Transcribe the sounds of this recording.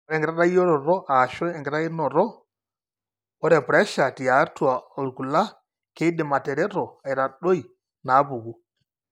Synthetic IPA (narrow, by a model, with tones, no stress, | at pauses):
ɾɛ˨ŋɡɾa˦ɗa˦jɔ˦ɾɔ˨ɾɔ˦ʔa˨ʃɔ˦ɛ˨ŋɡɾa˦i˦nɔ˨ɾɔ˦ | ɔ˦ɾɛ˨pɾɛ˦ʃa˨ti˨a˨˦tu˦˨a˨o˨lku˨la˦ | ke˦dɛ˨ma˨tɛ˨ɾɛ˦ɾɔ˨a˨i˨ɾa˨ɗo˦i˨ | na˨˦bu˨ɡu˦